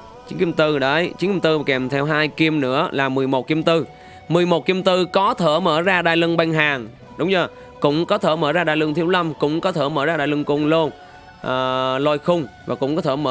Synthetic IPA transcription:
t͡ɕi˨˦ŋki˧əmt̪ɨ˧ɗə˨˦jt͡ɕi˨˦ŋki˧mt̪ɨ˧˨˩kɛ˨˩mt̪ʰɛ˧wɦaː˧jki˧əmnɨ̰˧˥əlaː˨˩mɨ˨˩əjmo˨˩t̚ki˧əmt̪ɨ˧ | mɨ˨˩əjmo˨˩t̚ki˧mt̪ɨ˧kɔ˨˦t̪ʰəː˧˩məː˧˩zaː˧ɗaː˧˨jlɨ˧ŋɓa˧jŋ̟ɦaː˨˩ŋ | ɗʊ˨˦wŋ͡mzəː˧˩ | kʊ̰˧˥wŋ͡mkɔ˨˦t̪ʰəː˧˩məː˧˩zaː˧ɗaː˧˨jlɨ˧ŋt̪ʰi˨˦əwla˧mkʊ̰˧˥ŋ͡mkɔ˨˦t̪ʰəː˧˩məː˧˩zaː˧ɗaː˧˨jlɨ˧ŋkʊ˧nlo˧n | ʔəː˨˩lɔ˧jxʊ˧wŋ͡mvaː˨˩kʊ̰˧˥ŋ͡mkɔ˨˦t̪ʰəː˧˩˦məː˧

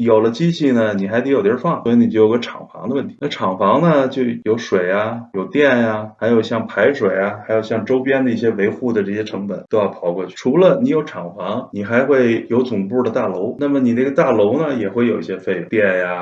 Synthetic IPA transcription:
jo˨˩ʊlə˦t͡ɕi˥t͡ɕʰi˥˩nə˩ni˨˩xa˧˥ɪt̪ʰjo˨˩t̪jfɑ˥˩ŋswɔ˧˥i˧˥ni˨˩t͡ɕo˥˩jo˨˩˧ə˧ʈ͡ʂʰɑ̰˨˩ŋfɑ̰˧˥ŋd̪ə˧wə˥˩nt̪ʰi˧˥na˥˩ʈ͡ʂʰɑ˨˩ŋfɑ˧˥ŋnə˧t͡ɕjo˥˩ʊjo˧˥ʊʂwe˨˩ɪa˧jo˨˩ʊt̪jɛ˥˩nja˨˩xa˧˥ɪjo˨˩ʊɕjɑ˥˩ŋpʰa˧˥ɪʂwe˨˩ɪa˦xa˧˥ɪjo˨˩ʊɕjɑ˥˩ŋʈ͡ʂo˥ʊpjɛ˥nd̪ə˨˧i˥˩ɕ̬jɛ˥we˧˥ɪxu˥˩d̪ə˩ʈ͡ʂɤ˥˩ɕjɛ˥ʈ͡ʂʰɤ˧˥ŋpə˨˦nt̪wba˧˩pʰɑ˨˩ʊkwɔ̥˥˧˥ʈ͡ʂʰu˧˥lə˧ni˧˥jo˧˥ʊʈ͡ʂʰɑ˨˩ŋfɑ˧˥ŋni˨˩xa˧˥ɪxwe˥˩ɪjo˧˥ʊt͡sʊ˨˩ŋpu˥˩d̪ə˩t̪a˥˩lo˧˥ʊna˥˩mə˩ni˨˩nə˥ɡə˧t̪a˥˩lo˧˥ʊnə˧jɛ˨˩xwe˥˩ɪjo˨˩ʊi˥˧ɕjɛ˥fe˥˧˩ɪ˧t̪jɛ˥˧nja˩

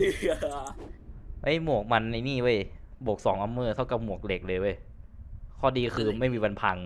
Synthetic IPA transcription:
ʔa˦˥˩jmu˨˩ək̚ma˧nːa˧jniː˥˩ʔɤ˧˥˩jbu˨˩k̚sɔː˩˦ŋʔa˧mːɤː˥˩t̪ʰa˥˩wka˨˩p̚mu˨˩ək̚le˨˩k̚lɤː˧jʔɤ˥˩j | kʰɔː˧˥˩diː˧kʰɯː˧ma˥˩jmiː˧wa˧npʰa˧ŋ

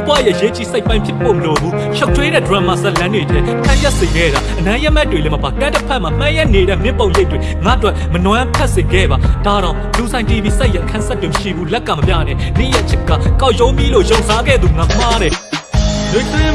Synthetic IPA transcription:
i˦pwa̰˦˨jɛ˦˨ʔəje˨˦t͡ɕḭ˦˨se˦ɪpːã˦ɪ̃mpʰjɪ˦pːo˨məlo˨bu˦ | ʃa˦ʊtʰwe˦ɾɛ̰˦˨də˨wa˦˨m̥a̰˦˨sɛ˦ʔlã˦ndwe˨tʰɛ˦ʔkʰã˦ja˦ʔsẽ˨ɡɛ̰˦˨ɾa˨ʔənã˦ja˦ʔmɛ˦twe˨lɛ˦mə˨ba˨kã˦tə˦pʰɛ˦ʔm̥a˨m̥ã˦ja˦ʔne˨ɾɛ̰˦˨mɪ̃˦˨põ˨ʊ̃je˦ɪtwe˨ŋa̰˦ʔtwɛ˦ʔmənwã˦pʰɛ˦ʔsɪ̃˨ɡɛ̰˦˨ba˨d̥a˨ɾã˨ʊ̃lu˨sʰã˨ɪ̃ti˨bi˦sa˦ʔja˦˨ʔkʰã˦sɛ˦tːwɪ̃˨məʃḭ˦˨bu˦lɛ˦ʔkʰːã˨mə˨pja̰˦˨nɛ̰̃˦˨nɪ̰̃˦˨ja˦ʔt͡ɕʰɪ˦kːa̰˦˨ka˦ʊʔjõ˦mji˦lo̰˦˨jõ˨ʊ̃nsa˦ɡɛ̰˦˨d̪ðu˨ŋa˨m̥a˦ɾɛ˨ | lɪ̃˦t̪ɪ̃˦

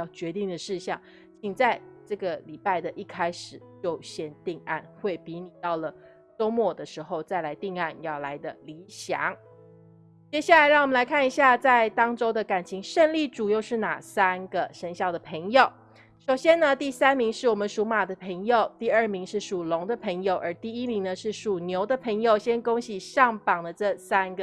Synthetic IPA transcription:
ɑ˥˩ʊt͡ɕɥɛ˧˥t̪i˥˩ŋd̪ə˩ʂɻ̩˥˧ɕjɑ˥˩ŋ | t͡ɕʰi˨˩ŋt͡sa˥˧ɪʈ͡ʂɤ˥˩ɡə˩li˨˩pa˥˩ɪd̪ə˨ʔi˥˩kʰa˥ɪʂɻ̩˨˩t͡ɕjo˥˩ʊɕjɛ˥˧nt̪i˥˧ŋa̰˥˧nxwe˥˩ɪpi˧˥ni˨˩t̪ɑ˥˩ʊlə˩ | ʈ͡ʂo˥ʊmwɔ˥˩d̪ə˩ʂɻ̩˧˥xo˥˧ʊt͡sa˥˩ɪla˧˥ɪt̪i˥˧ŋa˥˧njɑ˥˩ʊla˧˥ɪd̪ə˧˨li˧˥ɕjɑ̰˧˩˦ŋ | t͡ɕjɛ˥ɕja˥˩la˧˥ɪɻɑ˥˩ŋwmə˦nla˧˥ɪkʰa˥˩ni˧˥ɕja˥˧t͡sa˥˧ɪt̪ɑ˥ŋʈ͡ʂo˥ʊd̪ə˨ka˨˩nt͡ɕʰi˧˥ŋʂə˥˧nli˥˩ʈ͡ʂu˨˩jo˥˧ʊʂɻ̩˥˩na̰˨˩sa˥nɡə˨ʂə˧˥ŋɕjɑ˥˩ʊd̪ə˩pʰə˧˥ŋjo˨˩ʊ | ʂo˨˩ʊɕjɛ˥nə˨t̪i˥˩sa˥nmi˧˥ŋʂɻ̩˥˩wɔ˨˩mə˦nʂu˧˥ma˨˩d̪ə˦pʰə˧˥ŋjo˨ʊt̪i˥˧ə˥˩mi˧˥ŋʂɻ̩˥˩ʂu˨˩lʊ˧˥ŋd̪ə˨pʰə˧˥ŋjo˨˩ʊʔə˧˥t̪i˥˩i˥mi˧˥ŋnə˧ʂɻ̩˥˩ʂu˨˩njo˧˥ʊd̪ə˨pʰə˧˥ŋjo˨ʊɕjɛ˥nkʊ˥ŋɕi˨˩ʂɑ˥˩ŋpɑ˨˩ŋd̪ə˦ʈ͡ʂɤ˥˧sa˥nɡə˨

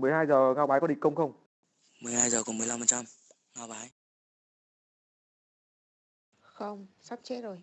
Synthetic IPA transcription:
mɨ˨˩əjhaː˧jzəː˨˩ŋaː˧wɓaː˨˦jkɔ˨˦ɗi˨˩ŋ̟kə˧wŋ͡mxə˧wŋ͡m | mɨ˨˩əjhaː˧jzəː˨˩kɔ˨˩˦m˨˩əla˧mfə˨˩t͡ɕa˧m | ŋaː˧wɓaː˨˦j | xə˧wŋ͡msa˦˥p̚t͡ɕɛ˦˥zo˨˩j

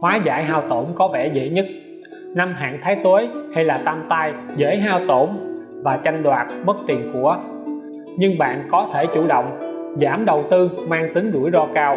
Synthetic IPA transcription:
hwaː˨˦za̰ː˧˩jɦaː˧wt̪o˧˩mkɔ˨˦vɛ̰˧˩zə̰˧˥ɲə˦˥t̚ | na˧mɦa̰ː˧˨ŋt̪ʰaː˨˦jt̪wə˨˦jha˧jlaː˨˩t̪a˧mt̪aː˧jzḛ˧˥jɦaː˧wt̪o˧˩m | vaː˨˩t͡ɕa˧ŋɗwaː˨˩t̚mə˦˥t̚t̪i˨˩ənku˧˩ə | ɲɨ˧ŋɓa̰ː˧˨nkɔ˨˦t̪ʰe˧˩t͡ɕṵ˧˩ɗə̰˧˨wŋ͡mzaː˧˩mɗə˨˩wt̪ɨ˧maː˧ŋt̪ï˨˦ŋ̟ɗu˧˩əjzɔ˧kaː˧w

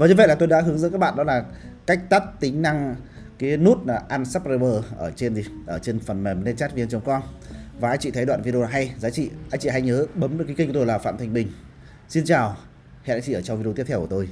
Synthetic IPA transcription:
vaː˨˩ɲɨ˧və̰˧˨jlaː˨˩t̪o˧jɗa̰ː˧˥ɦɨ˨˦ŋə̰˧˥nkaː˦˥k̚ɓ̰aː˧˨ɗɔ˨˦laː˨˩ka˦˥k̟̚t̪a˦˥t̚t̪ï˨˦ŋ̟na˧ŋ | ki˨˦nu˦˥t̚aː˨˩ʔaː˧nsaː˦˥p̚ze˧ɓəː˧ʔəː˧˩t͡ɕe˧nzi˨˩ʔəː˧˩t͡ɕe˧nfə˨˩nmɛ˨˩mnɛ˧nt͡ɕaː˦˥t̚vi˧nt͡ɕə˨˦wŋ͡mkɔ˧nvaː˨˩ʔːjt͡ɕḭ˧˨t̪ʰə˨˦jɗwa̰ː˧˨nvi˧e˧laː˨˩ɦa˧jzaː˨˦t͡ɕḭ˧˨ʔaː˧jt͡ɕḭ˧˨ɦa˧jɲəː˨˦ɓə˨˦mɗə˨˦ki˨˦ki˧kːto˧˨aː˨˩fa̰ː˧˨t̪ʰŋ̟ɓï˨˩ŋ̟ | si˧nt͡ɕaː˨˩w | hḛ˧˨ɗaː˧˦˥t͡ɕḭ˧˨əː˧˩t͡ɕɔ˧wvi˧t̪i˦˥t̪ʰːwkːt̪o˧j

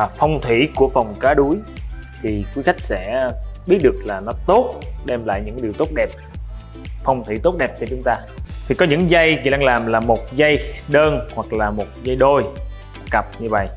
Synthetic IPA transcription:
fə˧wŋ͡mt̪ʰwi˧˩ku˧˩əfa˨˩wŋ͡mkaː˨˦ɗu˨˦jt̪ʰi˨˩kwi˨˦xa˦˥jk̟̚sɛ̰˧˥ɓi˦˥ət̚ɗɨ˨˩ək̚laː˨˩nɔ˨˦t̪o˦˥t̚ɗɛ˧mla̰ː˧˨jɲɨ̰˧˥ŋkːɗi˨˩əwt̪o˦˥t̚ɗɛ˨˩p̚ | fə˧wŋ͡mt̪ʰwḭ˧˩t̪o˦˥t̚ɗɛ˨˩p̚t͡ɕɔ˧t͡ɕʊ˨˦ŋ͡mt̪aː˧t̪ʰi˨˩kɔ˨˦ɲɨ̰˧˥ŋzə˧jki˨˦ɗa˧ŋlaː˨˩mlaː˨˩mo˨˩t̚zə˧jɗəː˧nhwa˨˩k̚laː˨˩mo˨˩t̚zə˧jɗo˧j | kə˨˩p̚ɲɨ˧və̰˧˨j

